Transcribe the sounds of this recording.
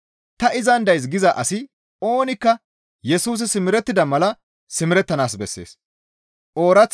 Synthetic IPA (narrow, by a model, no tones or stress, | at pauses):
t̪ɐʔɪzɐnd̪ɐjs̬ɡɪzɐʔɐsɪ | o̞ːnɪkːɐ | jɛsuːs̬ɪsɪmɪɾɛt̪ːɪd̪ɐmɐlɐ | sɪmɪɾɛt̪ːɐnaːs̬bɛsːe̞̰ːs | ʔo̞ːɾɐt͡sː